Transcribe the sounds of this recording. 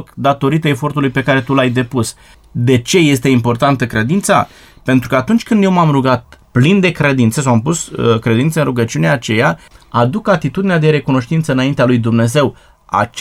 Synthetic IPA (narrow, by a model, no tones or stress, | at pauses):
kd̪at̪o̞ɾit̪əefo̞rt̪ulujpe̞kaɾe̞t̪ulajd̪e̞pus | d̪e̞t͡ʃe̞je̞st̪e̞impo̞rt̪ant̪əkɾe̞d̪int̪sa̰ | pe̞nt̪ɾukəat̪unt͡ʃʲkɨnd̪jewmamruɡat̪̚plind̪e̞kɾe̞d̪int̪səsawampuskɾe̞d̪int̪sənɾuɡət͡ʃiuneaːt͡ʃe̞jaad̪ukat̪it̪ud̪inead̪e̞ɾe̞kuno̞ʃt̪int̪səɨnaint̪ealujd̪umne̞ze̞w | a̰